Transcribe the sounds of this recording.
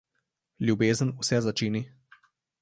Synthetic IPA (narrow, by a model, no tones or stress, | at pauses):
lʲjubeːzənusɛzat͡ʃiːni